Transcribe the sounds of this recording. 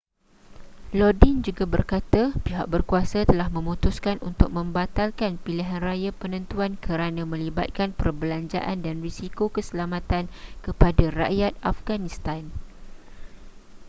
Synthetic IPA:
lɔdind͡ʒuɡabərkat̪apiɦak̚bərkuasat̪əlahmə̃mũt̪ʊskanʔṵnt̪ʊk̚mə̃mbat̪alkanpiliɦanrajapənə̃nt̪uankʰəɾanãmə̃liba̰t̪̚kanpərbəlaɲd͡ʒa̰ʔandanrisikokəsəlamãt̪ankəpadara̰ʔjat̪̚afɡanist̪an

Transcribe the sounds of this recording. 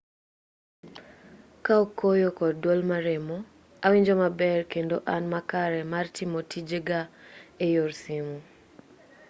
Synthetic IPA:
kaokːojokɔddwolmaɾɛmo | awiɲd͡ʒɔmabɛrkendoʔanmakaɾɛmartɪmotid͡ʒeɡaejorsɪmu

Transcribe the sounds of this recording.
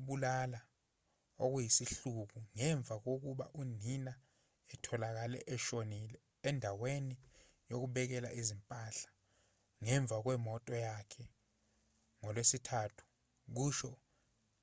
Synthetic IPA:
ɓulala | ok̬ujisiɬuk̬uŋɛɱb̪vʱak̬ok̬uɓa̰ʔunina | ɛtʰɔlak̬alɛ̰ʔɛʃonilɛːndʱaweni | jok̬uɓɛk̬ɛla̰ʔizimpʼaɬḁ | ŋɛɱb̪vʱak̬wɛmɔtʼɔjakʰɛ | ŋɔlwesitʰaːtʰu̥ | k̬uːʃɔ

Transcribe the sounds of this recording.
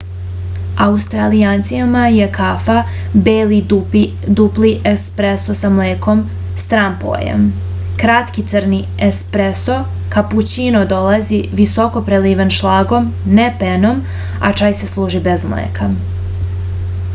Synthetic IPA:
aust̪ɾaliaːnt̪sijamajekʰafa | beːli | d̪upliʔespɾesosamleːko̞m | st̪ɾampo̰jḛm | kɾat̪kit̪səɾni | espɾeso̞ | kaput͡ɕinod̪o̞laziʋiso̞ko̞pɾeliːʋanʃlaːɡo̞mnepeno̞m | a̰t͡ʃaːjse̞slˠuːʒibe̞zmlḛːkʰa

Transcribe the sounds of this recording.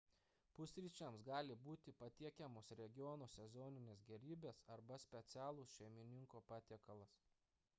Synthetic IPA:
pʊsʲɾʲiːt͡ʃʲɛmsɡɑːlʲɪbuːt̪ʲɪpɐt̪ʲiɛkʲɛmoːsɾʲɛɡʲɪjɔːnoːsʲɛzɔːnʲɪnʲeːsɡʲɛɾʲiːbʲeːsɐɾbɐsʲpʲɛt̪sʲæːlˠoːsʃʲɛɪmʲɪnʲɪŋkoːpɑːt̪ʲiɛkɐlˠɐs

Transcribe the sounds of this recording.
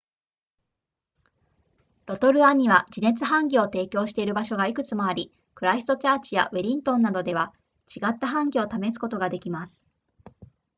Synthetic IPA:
ɾo̞t̪o̞ɾɯ̟aɲ̟iβad͡ʑine̞t͡sɨɦãŋɡʲio̞t̪e̞ːkʲo̞ːɕi̥t̪e̞iɾɯ̟baɕo̞ɡaikɯ̟t͡sɨmo̞aɾʲi | kɯ̟ɾaist̪o̞t͡ɕaːt͡ɕija̰βeɾʲĩnt̪õ̞nːad̪o̞d̪e̞βa | t͡ɕiɡat̪ːaɦãŋɡʲiot̪ame̞sɨ̥ko̞t̪o̞ɡad̪e̞kʲimasɨ̥

